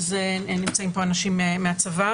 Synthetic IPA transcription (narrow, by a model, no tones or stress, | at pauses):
zenimt͡saimpo̞anaʃimemeat͡sava